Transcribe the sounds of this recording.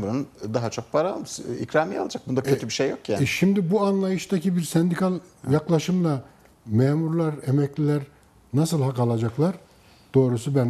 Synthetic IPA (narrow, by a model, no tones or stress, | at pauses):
uɾnnd̪aɦat͡ʃʰo̞k̚pʰaɾaolˠmsḭkɾamijalˠad͡ʒak̚bund̪akʰøt̪ʰybiʃejːjo̞kjanʃimd̪ibuanlˠajɯʃt̪acibiɾsɛnd̪ikʰalʲˠjaklˠaʃɯmlˠa | mɛːmuɾlˠaɾemɛclʲilʲæɾ | nasɯlˠɦakalˠad͡ʒaklˠaɾ | d̪̥o̞ːɾusubæn